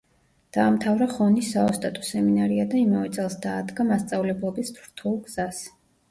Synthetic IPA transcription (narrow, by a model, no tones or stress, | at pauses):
d̪̥aːmt̪ʰavɾaχɔnisaɔst̪ʼat̪ʼɔ̥sɛminaɾiad̪aimavɛt̪sʼɛlˠsd̪aːd̪ɡamast̪sʼavlɛblˠɔbist̪ʰɾt̪ʰulˠɡz̥as